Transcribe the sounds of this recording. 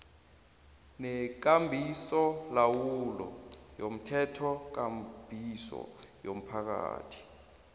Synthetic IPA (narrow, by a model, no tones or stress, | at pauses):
nɛk̬ambʱisɔlawulɔ̰jom̩tʰɛtʰɔk̬amb̥ʱisɔ̰jom̩pʰak̬a̰ːtʰi̥